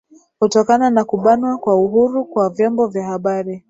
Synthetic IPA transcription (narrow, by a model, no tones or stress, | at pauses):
kutɔkananakuɓanwakwauɦuɾukwavjɔmbɔvjahaɓaɾi